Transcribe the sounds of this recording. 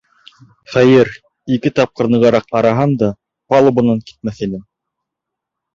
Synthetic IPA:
χæjɤɾ | ikɘt̪ɑp̚qɤ̆ɾnɤ̆ʁɑɾɑqɑɾɑɦɑnd̪ɑ | pɑlˠɤ̆bŭnɑŋki̥t̪̚mæθinɘm

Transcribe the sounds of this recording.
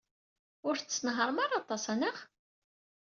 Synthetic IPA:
ʊɾθt͡sːnɦəɾˤəmaɾˤɑt̪ˤɑsænəχ

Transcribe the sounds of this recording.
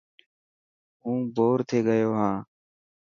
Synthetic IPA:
ɦũːboːɾt̪ʰeːɡəjoːɦãː

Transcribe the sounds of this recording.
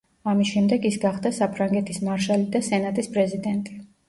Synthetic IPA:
amisʃɛmd̪ɛɡisɡaχd̪asapʰɾaŋɡɛt̪ʰismaɾʃalid̪asɛnat̪ʼispʼɾɛzid̪ɛnt̪ʼi

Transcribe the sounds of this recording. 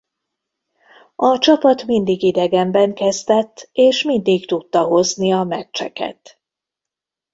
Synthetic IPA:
ɒt͡ʃɒpɒt̪mind̪iɡid̪ɛɡɛmbɛŋkɛzd̪ɛt̪ːeːʃmind̪ikt̪ut̪ːɒɦo̞zniɒmɛt͡ʃːɛ̰kɛ̰t̪

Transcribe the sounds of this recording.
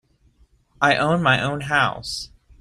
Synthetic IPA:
ʔaɪʔõʊ̃nmaɪʔõʊ̃nɦaʊs

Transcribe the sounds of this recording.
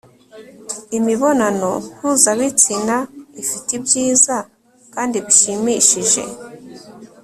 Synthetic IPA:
imiβo̞nano̞n̥huzaβit͡sinaifitibjiːza | kaːndiβiʃimiʃiʒe̞̰

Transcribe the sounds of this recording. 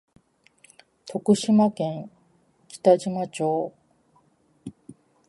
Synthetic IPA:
t̪ʰo̞kɯ̟ɕimakẽ̞ŋ | kʲi̥t̪aʑimat͡ɕo̞ː

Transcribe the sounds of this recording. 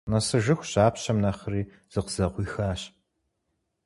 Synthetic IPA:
nɐsɨʒɨxʷɕaːpɕɐmnɐχɾiː | z̥ɨqəzɐqʷiːxaːɕ

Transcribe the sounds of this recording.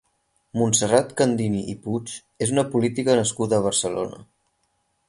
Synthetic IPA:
munsərat̪kənd̪iniʔiput͡ʃ | ezunəpulit̪ikənəskuðəːβ̞əɾsəlo̰nə̰

